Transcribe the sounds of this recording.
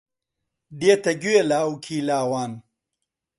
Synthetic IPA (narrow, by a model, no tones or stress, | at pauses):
d̪eːt̪ɐɡuwelaːukʰiːlaːwaːn